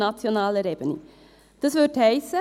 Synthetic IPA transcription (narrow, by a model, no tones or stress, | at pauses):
ɑt͡sjonɑːləɾebənḭ | d̥ɑsʋʏthɛɪsə